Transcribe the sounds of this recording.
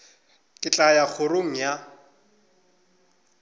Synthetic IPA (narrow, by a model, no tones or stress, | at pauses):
kʼɪt͡ɬʼajak͡xʰʊroŋ̩ja